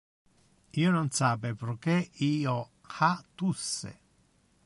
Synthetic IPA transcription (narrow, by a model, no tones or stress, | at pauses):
iːononsapepeɾkːeiːo | xat̪ːusːḛ